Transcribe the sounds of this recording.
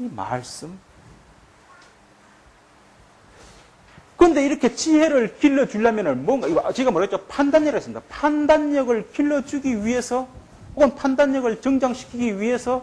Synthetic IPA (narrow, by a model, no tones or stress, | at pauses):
ima̰ɭs͈ɯm | kɯɾʌnde̞iɾʌkʰe̞t͡ɕihe̞ɾɯɭkiɭːʌd͡ʑuɭːamjʌnɯnmʌnɡait͡ɕiɡamʌɾd͡ʑopʰandaɲːeɾasɯmid̥̪apʰandaɲɲʌɡɯɭkiɭːʌd͡ʑuɡiɥiɦe̞sʰʌ | poɡʌnpʰandaɲːʌɡɯɭt͡ɕʌŋd͡ʑaŋɕʰi̥kʰiɡiwɥiɦe̞sʰʌ